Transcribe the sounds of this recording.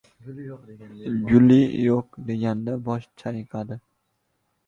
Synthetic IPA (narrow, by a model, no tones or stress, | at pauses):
ɡʊlijoqd̪e̞ɡʲand̪abɒʃt͡ʃʰaqʰad̪ɪ